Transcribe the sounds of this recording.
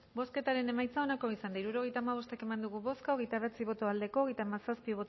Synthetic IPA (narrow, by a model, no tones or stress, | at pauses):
bo̞ske̞t̪aɾe̞ne̞majt͡sao̞nako̞isand̪aiɾuɾo̞ɣ̞e̞jt̪aːmaβ̞o̞st̪e̞ke̞mand̪uɣuβo̞skaoɣ̞e̞jt̪aβ̞et͡siβ̞o̞t̪o̞ald̪e̞ko̞ːɣ̞ejt̪amasaspiβo̞t̪